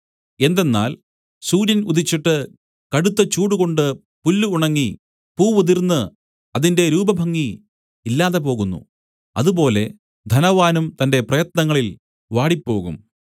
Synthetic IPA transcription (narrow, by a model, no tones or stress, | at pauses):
e̞nd̪e̞nːa̰ːl | suːɾjɐnuðit͡ɕːiʈːɨ | kɐɽut̪ːɐt͡ɕuːɽuɣo̞ɳɖɨ | pulːuuɳɐŋːi | puːʋuðiɾnːɨ | ɐðinde̞ɾuːbɐbʱɐŋːiː | lːaːðe̞po̞ːɣunːṵ | ɐðubo̞ːle̞ | d̪ʱɐnɐʋaːnumt̪ɐnde̞prɐjɐt̪nɐŋːɐɭil | ʋaːɽipːo̞ːɣṵm